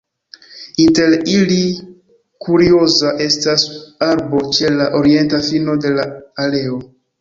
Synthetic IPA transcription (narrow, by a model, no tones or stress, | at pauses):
inte̞ɾili | kuɾiozaʔe̞stasaɾbo̞t͡ʃe̞laʔo̞ɾie̞ntafino̞de̞laːle̞o̞